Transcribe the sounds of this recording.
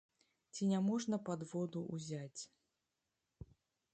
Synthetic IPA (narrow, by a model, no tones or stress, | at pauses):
t͡sʲinʲamɔʐnɐpad̪vɔd̪uʔuzʲat͡sʲ